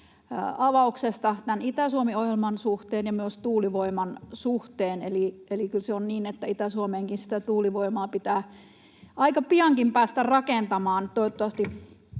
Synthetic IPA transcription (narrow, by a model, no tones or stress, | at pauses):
ɑʋɑuksest̪ɑt̪ænit̪æsuomiohjelmɑnsuht̪eːnjɑmyøst̪uːliʋoimɑnsuht̪eːnelielikylseonniːnet̪ːæit̪æsuomeːŋkinsi̥t̪æt̪uːliʋoimɑːpit̪æː | ʔɑikɑpiɑŋkimpæːst̪ærɑkent̪ɑmɑːnt̪ooot̪ːoʋɑst̪i